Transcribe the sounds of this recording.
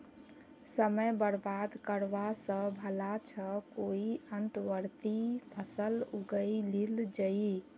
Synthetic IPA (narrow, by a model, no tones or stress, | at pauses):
səməjbəɾbad̪kəɾʋasə̃bʱəlat͡ʃʰəkoiənt̪ʋəɾt̪ipʰəsəluɡəilild͡ʒəi